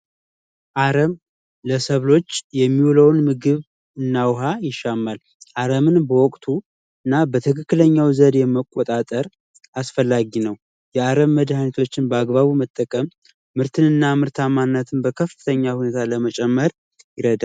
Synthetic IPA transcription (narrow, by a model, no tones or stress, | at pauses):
ʔaɾəm | ləsəβlo̞t͡ʃːjɛmːiwuləwnmɨɡɨβ | ɨnːawɦajɪʃːamːal | ʔaɾəmɨnbəwɔkʼt̪ʰu | ɨnːabət̪ʰɨkɨkːɨləɲːawzəd̪jɛmːəkʼːot̪ʼat̪ʼəɾ | ʔasfəlːaɡinəw | jɛaɾəmːəd̪hanet̪ʰot͡ʃːɪnbəaɡbaβumət̪ʼːəkʼəmː | ɨɾt̪ʰɨnɨnːamɨɾt̪ʰamanːət̪ʰɨnbəkʰəfɨt̪ʰəɲːahune̞t̪ʰaləmət͡ʃʼɛmːəɾ | jɪɾəd̪al